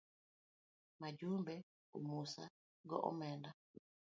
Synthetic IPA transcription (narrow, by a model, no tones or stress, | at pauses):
mad͡ʒumbɛ | o̰musa̰ | ɡɔʔɔ̰mɛnda